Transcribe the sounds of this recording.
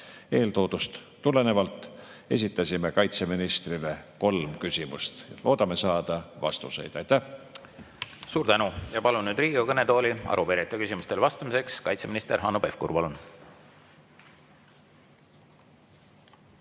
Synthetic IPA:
e̞ːlt̪o̞ːd̪̥ust̪ːule̞ne̞vɑlt̪ːˑ | e̞̰s̬ʲit̪ːˑɑsʲime̞kɑjt̪se̞minist̪rile̞ko̞lmkysʲimṵst̪lʔo̞ːd̪ɑme̞sɑːd̪̥ɑvɑ̰st̪use̞jd̪̥ɑjt̪æh | suːɾt̪ænujɑpɑlunnyːd̪riːɡiɑkɤnet̪o̞ːliɑ̰ɾupeɾet̪ːˑɑkysʲimust̪elvɑst̪ɑmise̞kskɑjt̪seminist̪eɾɦɑnopefkṵɾpɑlun

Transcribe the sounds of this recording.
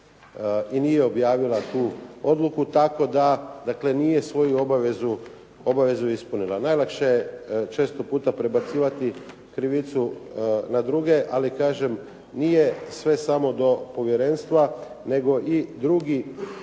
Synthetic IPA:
inijeo̞bjaːʋilˠat̪uːo̞d̪lukut̪ako̞d̪ad̪akle̞nije̞sʋo̞juo̞baʋezu | o̞baʋe̞zuispunilˠanajlˠakʃejet͡ʃe̞ːst̪opuːt̪apɾe̞bat̪siːʋat̪i | kɾiʋit̪sunad̪ɾuɡe̞ʔalikaːʒe̞m | nijesʋe̞samo̞d̪o̞po̞ʋje̞ɾe̞nst̪ʋa | ne̞ɡo̞ʔid̪ɾuɡi

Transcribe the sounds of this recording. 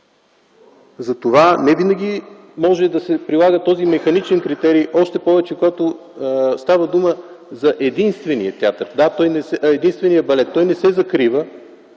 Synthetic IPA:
zɐt̪ovanɛvinəɡʲi | mɔʒɛd̪ɐsɛpɾilˠaɡət̪ɔzimɛxɐnit͡ʃɛnkɾit̪ɛɾijʔɔʃt̪ɛpɔvɛt͡ʃɛkoɡat̪o | st̪avəd̪uməzɐʔɛd̪inst̪vɛniət̪ʲjat̪əɾd̪at̪ɔjnɛsɛɛd̪inst̪vɛnijəbɐlɛt̪ːɔjnɛsɛzɐkɾivə

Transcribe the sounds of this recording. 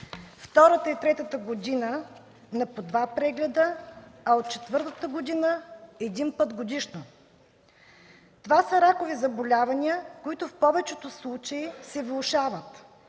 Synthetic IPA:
ft̪ɔɾət̪əit̪ɾɛt̪ət̪əɡod̪inə | nɐpod̪vapɾɛɡlɛd̪əɐot̪̚t͡ʃɛt̪vɤɾt̪ət̪əɡod̪inəɛd̪inpɤt̪ɡod̪iʃno | t̪ovasəɾakovizɐbolʲavɐniəkoit̪ʊfpɔvɛt͡ʃɛt̪oslˠut͡ʃɐisɛvlˠʊʃavət̪

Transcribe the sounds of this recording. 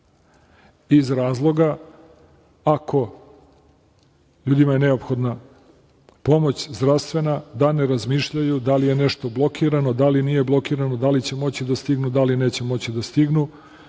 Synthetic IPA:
izɾaːzlˠo̞ɡa | akʰo̞ | ʎuːd̪imajene̞o̞pxo̞d̪na | po̞mo̞t͡ɕzd̪ɾaʋst̪ʋe̞nad̪aneɾazmiːʃʎajud̪alije̞neʃt̪o̞blˠo̞kʰiɾano̞d̪alinije̞blˠo̞kiːɾano̞d̪alit͡ɕe̞mo̞t͡ɕid̪ast̪iɡnud̪aline̞ːt͡ɕe̞mo̞t͡ɕid̪ast̪iɡnu

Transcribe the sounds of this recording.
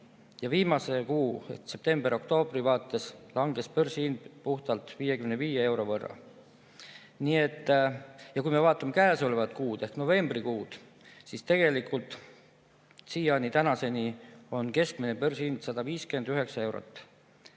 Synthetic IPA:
jɑviːmɑse̞kuːse̞p̚t̪e̞mbeɾo̞kt̪o̞ːb̥rivɑːt̪ːˑe̞slɑŋɡ̥e̞spørsiinpuht̪ɑlt̪ˑviːje̞kymneviːjee̞wɾo̞vɤrːɑ̰ | nie̞t̪ːˑjɑkujmevɑːt̪ːˑɑmekæːso̞levɑt̪kuːd̪̥ehkno̞ve̞mbrikuːd̪̥ | sist̪e̞ɡ̥e̞likʰult̪ˑ | siːjɑnit̪ænɑse̞nio̞nke̞sk̚mine̞pørsiind̪̥sɑd̪ɑviːske̞nd̪yɦe̞ksɑe̞wɾo̰t̪ːˑ

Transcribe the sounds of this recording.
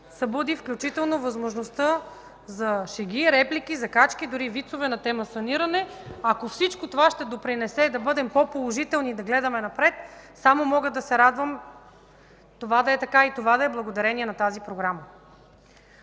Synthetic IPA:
sɐbod̪ifklʲut͡ʃit̪ɛlˠnovɐzmoʒnost̪ə | zɐʃɛɡ̟iɾɛplikizɐkat͡ʃk̟id̪ʊɾivit̪sovɛnɐt̪ɛməsɐniɾɐnɛɐkofsit͡ʃkot̪ovaʃt̪ɛd̪opɾinɛsɛd̪ɐbɤd̪ɛmpɔpolˠoʒit̪ɛlˠnid̪ɐɡlɛd̪ɐmɛnɐpɾɛt̪samomɔɡəd̪ɐsɛɾad̪vəm | t̪ovad̪ɐɛt̪ɐkait̪ovad̪ɐɛblˠɐɡod̪ɐɾɛniɛnɐt̪azipɾoɡɾamə

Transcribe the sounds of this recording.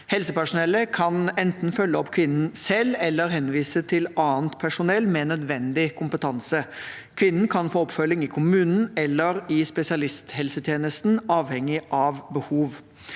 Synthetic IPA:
hɛlsəpæʂʊnɛlːəkʰɑnɛnt̪n̩fœlːəɔpːkʰʋɪnn̩sɛlːɛlːəɾɦɛnːʋiːsət̪ʰɪlɑːənt̪pʰæʂʊnɛlːmɛːnœd̪ʋɛnd̪ɪkʰʊmpət̪ʰɑnsə | kʰʋɪnːn̩kʰɑnfoːɔpfœlːɪŋɪkʰʊmʉːnn̩ɛlːəɾɪspɛsɪɑlɪst̪hɛlsət̪ʰjeːnəst̪n̩ɑːʋhɛŋːɪʔɑʋbəhuːʋ

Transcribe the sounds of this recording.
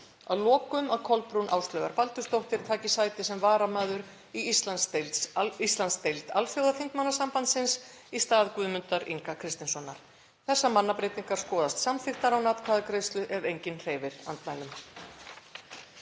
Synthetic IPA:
aðlɔːkʏmaðkʰɔlpɾunʔa̰ːwst̪lœːɣaɾpalt̪ʏst̪owht̪ɪɾ̥t̪ʰaːcɪsaːjt̪ɪsɛmvaːɾamaːðʏɾ | isast̪elist̪lanst̪ejlt̪alfjowðafɪnt̪manːasampant̪sɪns | ist̪aːðkʏðmʏnt̪aɾiŋkakʰɾɪst̪ɪnsɔnːaɾ̥ | θɛsːamanːapɾeːjt̪iŋ̥kaɾ̥skɔːðast̪samfɪht̪aɾawnaːt̪kʰaːðakɾejst̪lʏʔɛɾejɲcɪnr̥eːjvɪɾ̥ant̪lajlʏm

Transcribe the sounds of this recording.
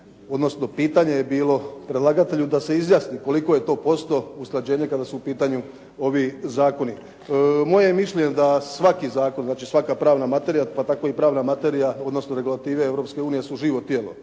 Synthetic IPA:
o̞d̪no̞sno̞piːt̪aɲe̞jebiːlo̞pɾed̪lˠaɡat̪e̞ʎud̪ase̞izjaːsniko̞liko̞je̞t̪o̞ːpo̞st̪o̞usklad͡ʑe̞ːɲe̞kad̪asuupiːt̪aɲu | o̞ʋizaːko̞ni | mo̞jemiʃʎed̪asʋakizaːko̞nznaːt͡ʃisʋakapɾaːʋnamat̪e̞ɾijapat̪ako̞ipɾaːʋnamat̪e̞ɾijao̞d̪nosnoɾe̞ɡulat̪iːʋeeʋɾopske̞uːnije̞suʒiːʋo̞t̪jelo̰

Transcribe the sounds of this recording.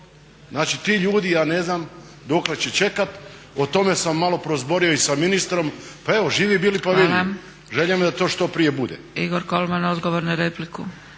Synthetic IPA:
znaːt͡ʃit̪iːʎuːd̪ijaːneznam | d̪okle̞t͡ɕet͡ʃe̞kat̪ | ot̪o̞me̞samːalo̞pɾozbo̞ɾioisaminist̪ɾo̞mpae̞ʋoʒiːʋibiːlipaʋiam | ʒeʎamd̪at̪o̞ːʃt̪o̞pɾije̞bud̪ḛ | iɡoɾkolˠmanod̪ɡoʋoɾnaɾepliku

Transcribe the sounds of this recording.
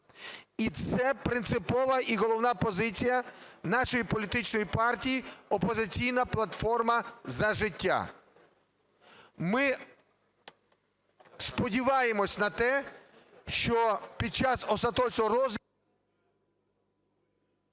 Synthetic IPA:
it̪sɛpɾɪnt̪sɪpɔʋɐʔiɦɔlˠɔwnɑpɔzɪt͡sʲijɐnɑʃɔjipɔlʲit̪ɪt͡ʃnɔjipɑrtʲijiɔpɔzɪt͡sʲijnɐplˠɐt̪fɔrmɐzɐʒɪtʲːa̰ | mɪ | spɔdʲiʋɑjemɔsʲnɐt̪ɛ | ʃt͡ʃɔpʲid̪̚t͡ʃɑzɔst̪ɐt̪ɔt͡ʃnɔɾɔz

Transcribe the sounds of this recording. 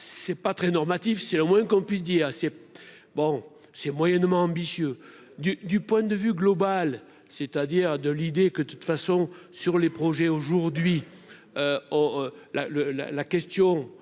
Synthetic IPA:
sɛpat̪χɛnɔʁmat̪ifsɛləmwɛ̃kɔ̃pɥis̬d̪iːʁsɛ | bɔ̃ | sɛmwajɛnmɑ̃ɑ̃bisjø | d̪yd̪ypwɛ̃d̪əvyɡlɔbal | set̪ad̪iʁd̪əlid̪ekəət̪u̥t̪fasɔ̃syʁlepχɔʒɛoʒuʁd̪ɥi | øɔlaləla̰lakɛst̪jɔ̃

